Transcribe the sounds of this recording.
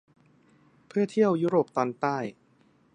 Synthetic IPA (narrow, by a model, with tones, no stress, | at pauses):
pʰɯ˥˩ɐt̪ʰi˥˩əwjuː˦˥ɾoː˨˩p̚t̪ɔː˧nt̪aː˥˩j